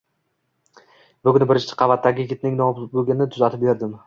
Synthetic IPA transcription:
bʊɡʲʊnbɪɾɪt͡ʃt͡ʃʰɪ̥qʰɑvat̪ːaɡʲɪjɪɡʲɪt̪̚nɪŋnɒb̪bʊɡʲɪnɪt̪ʰʊzat̪ʰɪp̚beɾd̪ɪm

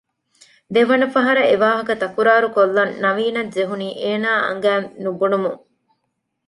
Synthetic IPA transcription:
d̪eʋɐnɐfɐɦɐɾɐeʋaːɦɐkɐt̪ɐkuɾaːɾukolːɐnːɐʋiːnɐd͡ʒeɦuniːʔeːnaːʔɐ̰ŋ̆ɡæːnubunumuŋ

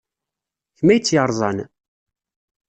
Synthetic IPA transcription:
çmæjt͡sːjɑɾˤzˤɑn

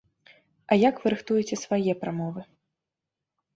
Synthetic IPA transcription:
ɐjakvɨɾɨxt̪ujɛt͡sʲɛsvajɛpɾamɔvɨ

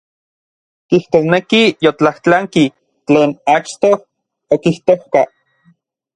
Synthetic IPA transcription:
kiht̪osnekijot͡ɬaht͡ɬaŋki | t͡ɬeːnat͡ʃt̪oh | okiht̪ohka

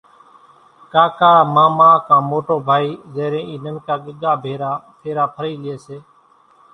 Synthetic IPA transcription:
kaːkaːmãːmaːkãːmoːʈoːbʱaːiːzeːɾẽːʔiːnənkaːɠəɡ̪aːbʱeːɾaːt̪ʰeːɾaːpʰəɾiːlɪeːseː

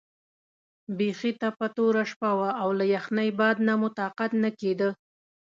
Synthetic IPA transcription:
bexit̪apat̪oɾaʂpawaːwlajaxnajbɑd̪̚namʊt̪ɑqat̪naked̪ə

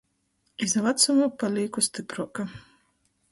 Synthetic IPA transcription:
izavat̪sumupalʲiːkust̪ipɾuɔka

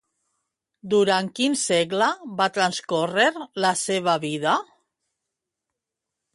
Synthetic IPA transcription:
d̪uɾaŋkinseɣlabat̪ɾanskoreɾlaseβ̞aβiða

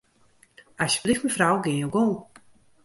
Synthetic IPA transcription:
asə̥blixməfrawɡɪnjoɡolˠ

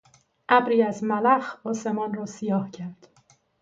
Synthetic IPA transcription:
ʔæbɾiːæzmælæxɒːse̞mɒːnrɒːsijɒːhcʰæɾd̪̥

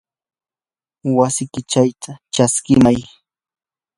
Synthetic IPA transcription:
wasɪkɪt͡ʃajt̪ʰat͡ʃaskɪmaj

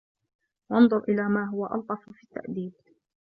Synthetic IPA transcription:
wɑnðˤʊɾʔɪlaːmaːɦʊwaʔɑ̰lt̪ˤɑffiːt̪ːa̰ʔd̪iːd̪

